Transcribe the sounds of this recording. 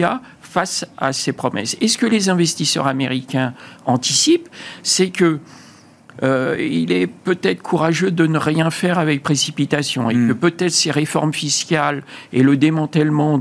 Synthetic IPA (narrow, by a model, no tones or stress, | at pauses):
a | fasa̰sepχɔmɛ̰sesə̥kəlezɛ̃vɛst̪isœ̰ʁameʁikʲɛ̃ɑ̃t̪isipsɛkʲə | ilɛpøt̪ɛt̪χə̥kʰuʁaʒød̪ənəʁjɛ̃fɛʁavɛk̚pχesipit̪asjɔ̰̃ekəpøt̪ɛt̪χseʁefɔ̰ʁmfiskʲaleləd̪emɑ̃t̪ɛlmɑ̃